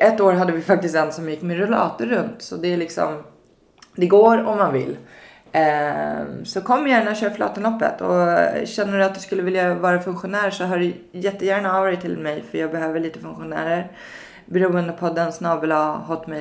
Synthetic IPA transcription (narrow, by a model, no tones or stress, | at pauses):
ʔɛt̪ːoːɾɦad̪ːəvɪfak̚t̪ɪst̪d̪ɛnsɔmjɪkːmɛɾʊlɑ̰ːt̪əɾɵnt̪sɔd̪ɛæɭɪksɔ̰m | d̪ɛɡoːɾɔmːanvɪ̰lː | sɔkʰɔmːjæːɳaɔɕøːɾflɑ̰ːt̪ənlɔpːə̰t̪ʰɔ̰ɕɛnːəd̪ɵat̪̚d̪ɵskɵlːəvɪljavɑːɾafɵŋkɧʊnæːɾʂɔɦaɖɛ | jɛt̪ːəjæːɳaɑvɑɾɪt̪ʰːɪlmɛjfœɾjɑːɡbɛɦøːvəɭiːt̪əfɵŋkɧʊnæ̰ːɾəɾ | bɛɾuːənd̪əpʰɔd̪ɛnsnɑːbəlaɦɔt̪ːmɛj